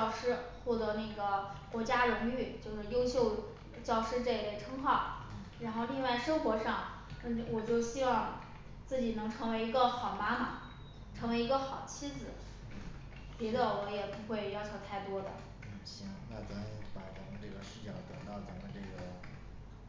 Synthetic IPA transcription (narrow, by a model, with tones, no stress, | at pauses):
ɑ˥˩ʊʂɻ̩˥xwɔ˥˩t̪ɤ˧˥na˥˩ɪɡə˩kwɔ˧˥t͡ɕja˥ɻʊ˧˥ŋy˥˩t͡ɕjo˥˧ʊʂɻ̩˥˩jo˥ʊɕjo˥˧ʊ | t͡ɕjɑ˥˧ʊʂɻ̩˥ʈ͡ʂɤ˥˩˧lɛ˥˩ʈ͡ʂʰɤ˥ŋxɑ˥˩ʊ | ɻa˧˥nxo˥˧ʊli˥˧ŋwa˥˩ɪʂɤ˥ŋxwɔ˧˥ʂɑ˥˩ŋ˥˩ | wɔ˨˩t͡ɕjo˥˧ʊɕi˥wɑ˥˧ŋ | t͡sɹ̩˥˩t͡ɕi˨˩nɤ˧˥ŋʈ͡ʂʰɤ˧˥ŋwe˧˥ɪi˧˥ɡə˧xɑ˨˩ʊma˥mɐ˨˩ | ʈ͡ʂʰɤ˧˥ŋwe˧˥ɪi˧˥ɡə˧xɑ˨˩ʊt͡ɕʰi˥d͡zɹ̩˨˩ | pɛ˧˥d̪ə˧wɔ˧˥jɛ˨˩pu˧˥xwe˥˧ɪjɑ˥˧ʊt͡ɕʰo˧ʊt̪ʰa˥˩ɪt̪wɔ˥d̪ə̰˨˩ | ɕi˥wɑ˥˩ŋna̰˧t͡sa˥˩ɪpa˧˩t̪ɑ˨˩ŋʈ͡ʂɤ˥˩ɡə˩ʂɻ̩˧˥t͡ɕjɑ˥˩ŋt̪ɤ˨˩ŋt̪ɑ˥˩ʊt͡sa˨˩mə˧ʈ͡ʂɤ˥˩ɡə˩